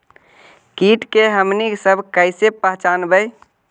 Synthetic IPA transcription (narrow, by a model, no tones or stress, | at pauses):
kiʈkeɦəmniksəbʱkəjsepəɦt͡ʃanbəj